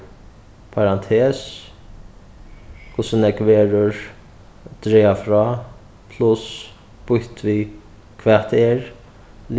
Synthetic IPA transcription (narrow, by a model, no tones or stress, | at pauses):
pʰaɾant̪ʰeːs | kʰʊsənɛkʋeːɾəɹ | d̪̥ɾeːafɾɑː | pʰlʊs | b̥ʊht̪ʰvi | kʰʋɛːt̪ɛɹ | l